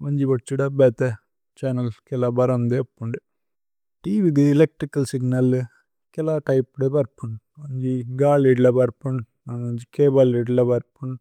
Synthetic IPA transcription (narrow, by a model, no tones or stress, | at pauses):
ʋɐɲd͡ʒiʋɐʈt͡ʃːuɽɐbɛːt̪e | t͡ʃaːnɐlkɛlɐbɐɾɐnd̪eɐpːuɳɖi | ʈiːʋik̬ɨilek̚ʈɾikːɐlsiɡnɐl | kɛlaʈɐjpːɽepɐɾpːuɳɖ | ʋɐɲd͡ʒiɡaːliːɖlɐbɐɾpːuɳ | nɐnɐɲd͡ʒikeːbɐliːɖlɐbɐɾpuɳ